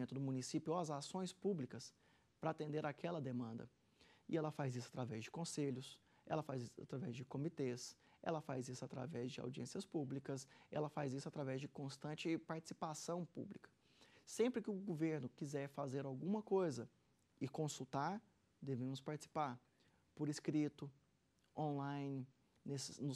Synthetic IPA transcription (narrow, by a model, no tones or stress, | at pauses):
ẽnt̪ʊd̪ʊmũnisipjʊoɐzasõj̃spublikɐs | pɾɐat̪ẽnd̪eɾakʰɛlɐd̪emɐ̃nd̪ɐ̰ | ɪ̰ɛlɐfajzisʊḁt̪ɾavɛzd͡ʒɪkõseʎʊs | ɛ̰lɐfazisa̰t̪ɾavɛzd͡ʒɪkomit̪esɛ̰lɐfazisʊat̪ɾa̰vɛzd͡ʒɪa̰wd͡ʒiḛ̃siɐspublikɐsɛ̰lɐfazisʊat̪ɾavɛzd͡ʒɪkõst̪ɐ̃nt͡ʃɪpaɾt͡ʃɪ̥si̥pasɐ̃w̃pṵblikɐ̥ | sẽmpɾɪkɪʊɡoveɾnʊkizɛɾfazeɾawɡũmɐkojzɐ | ɪkõsut̪aɾ | d̪evẽmʊspaɾt͡ʃɪsi̥paɾ | poɾɪskɾit̪ʊ | õnlãjnɪ | nesɪnʊ